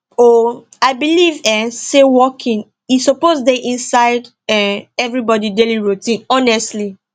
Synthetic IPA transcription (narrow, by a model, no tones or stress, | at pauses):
o | aɪbilivɛ̃sewɔkʰĩn | isɔpozdeʔĩnsaɪd | ɛ̃ɛvɹibɔdideliɹotĩnɔnɛstli